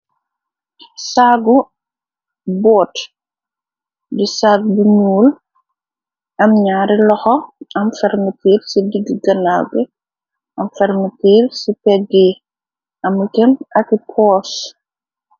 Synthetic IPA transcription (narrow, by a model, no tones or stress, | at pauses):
saɡu | bɔːt | disaːɡ̚biɲuːl | ɐmɲaːɾilɔxɔɐmfɛrmətiːɾsidiɡiɡɐnaɡɛ | ʔɐmfɛɾmətiːɾsipɛɡɛ | ɐmukɛmɐkipʰɔːs